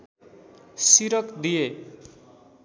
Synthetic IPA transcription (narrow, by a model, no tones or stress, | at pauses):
siɾʌkd̪ije